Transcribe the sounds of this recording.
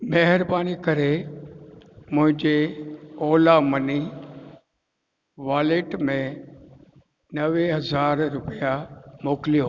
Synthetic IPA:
meɦɪɾbaːnikɐɾe | mʊ̃ɦɪ̃ɲd͡ʑeoːlamɐni | ʋaːleʈmẽ | nɐʋeɦɐzaːɾɾʊpijamoːkɪlijoɦ

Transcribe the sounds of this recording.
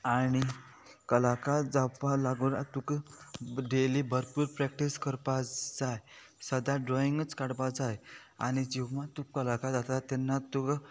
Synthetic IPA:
aɽ̃i | kəlakad͡zapalaɡuɾat̪uk | ɖelibʱəɾpuːɾpɾɛk̚ʈiskəɾpad͡zaj | səd̪ʱaɖɾɔiŋɡət͡skaɽpad͡zaj | a̰ɽ̃id͡ʑiwmat̪ukːəlakad͡zat̪at̪ːɛnːat̪uk

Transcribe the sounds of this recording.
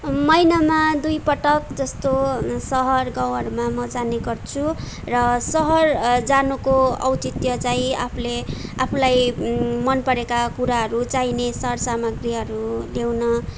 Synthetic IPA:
mʌjnamad̪ujpʌʈʌkd͡zʌst̪osʌɦʌrɡʌw̃ɦʌɾumamʌd͡zaneɡʌrt͡sʰu | rʌsʌɦʌrd͡zanukoʌ̰wt̪it̪jʌt͡saĩa̰pʰuleapʰulajmʌnpʌɾekakuɾaɦʌɾut͡sajnesʌɦʌrsamʌɡriʌɾulewnʌ

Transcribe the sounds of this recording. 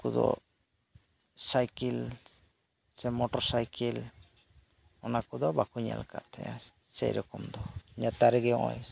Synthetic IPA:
kud̪ɔ̰ | sajkil | sɛmɔʈɔɾsajkil | ɔnakud̪ɔbakuɲa̰la̰ka̰ʔt̪ʰɛ̰jã̰ | sɛ̰jɾɔkɔmd̪ɔɲat̪aɾɛɡɛɔʔɔ̰j

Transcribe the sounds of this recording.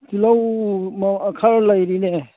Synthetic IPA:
t̪ilawmakʰaɾlajɾine

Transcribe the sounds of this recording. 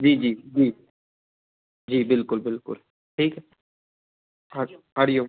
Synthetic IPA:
d͡ʒiːd͡ʒiːd͡ʒiː | d͡ʒiːbɪlkʊlbɪlkʊ̰l | ʈʰiːkɦɛ | ɦaɽijoː

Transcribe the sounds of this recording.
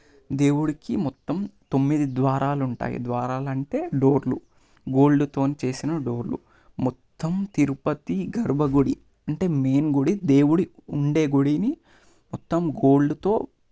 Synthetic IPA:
d̪e̞ːwuɽikimɔt̪ːɐmt̪omːid̪id̪ʋaːɾaːluɳʈa̰ːjḭd̪ʋaːɾaːlɐɳʈe̞ːɖoːɾlu | ɡo̞ːɭɖut̪o̞ːnit͡ʃe̞ːsinɐɖo̞ːɾlṵ | mɔt̪ːɐmt̪iɾupɐt̪iɡɐɾbʱɐɡoɽi | ɐɳʈe̞ːme̞ːnɡoɽid̪e̞ːwuɽiuɳɖe̞ːɡoɽini | mɔt̪ːɐmɡo̞ːɭɖut̪o̞ː

